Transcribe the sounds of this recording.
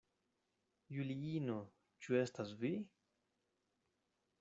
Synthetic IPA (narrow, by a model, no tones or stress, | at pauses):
juliino | t͡ʃuestasvi